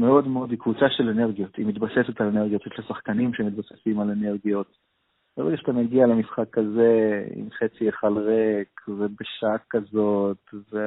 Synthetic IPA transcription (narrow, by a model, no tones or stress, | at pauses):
meo̞d̪meo̞dikvut͡saʃelene̞ʁɡijot̪imit̪base̞set̪alene̞ʁɡijot̪etlasaχkanimʃemit̪̚base̥simaleneʁɡijo̞t̪ | b̥eʁeɡaʃt̪ameɡialemisχakːazeḭmχet͡sijeχalʁekvebeʃakːazo̞t̪ve